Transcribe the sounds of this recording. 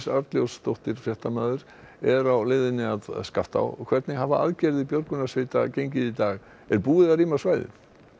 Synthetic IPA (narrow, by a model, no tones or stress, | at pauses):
saɾt̪ljowst̪owht̪ɪɾ̥fjɛht̪amaːðʏɾ | ɛɾawlɪðɪnɪaðskaft̪a̰wkʰvɛɾt̪nɪɦavaa̰ðcɛɾðɪpjoɾkʏnasvɪt̪a̰cejɲcɪðit̪aːɣ | ɛɾpuːɪðariːmasvajðɪ̰θ